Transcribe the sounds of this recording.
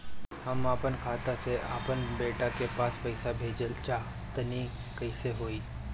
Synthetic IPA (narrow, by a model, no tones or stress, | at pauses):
hɐmaːpənkʰaːt̪aseʔa̰ːpənbeːʈakepaːspɐɪsabʱeːd͡ʒəlt͡ʃaː | t̪əni | kɐɪseɦoːiː